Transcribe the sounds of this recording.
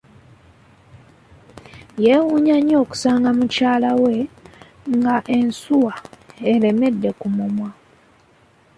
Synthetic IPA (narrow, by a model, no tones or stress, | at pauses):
jewuːɲaɲo̞ːku̥saːŋɡamucaːlawe̞ | ŋɡaʔe̞nsuwaele̞me̞dːe̞kumumwa